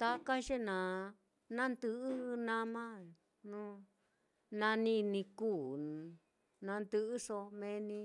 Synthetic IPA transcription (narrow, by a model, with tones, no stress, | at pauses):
t̪a˦ka˦ʒe˦nã˨ | nã˦nd̪ɨ˧ʔɨ˦˧nã˦mã˦˨ | nũ˦ | nã˧nĩ˦nĩ˧kuː˦˨ | nã˧nd̪ɨ˧ʔɨ˦so˧mẽ˧˦nĩ˧